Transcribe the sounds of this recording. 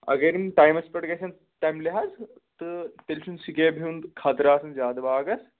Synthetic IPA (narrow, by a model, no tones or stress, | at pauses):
ɐ̰ɡeɾinʈaːjmɐspɐʈɡɐsʰɐn | t̪ɐmleɦaz | t̪ɨt̪elt͡ʃʰunsikeːbʱiund̪kʰat̪ɾaːsɐnzʲaːd̪ɐbaːɡɐs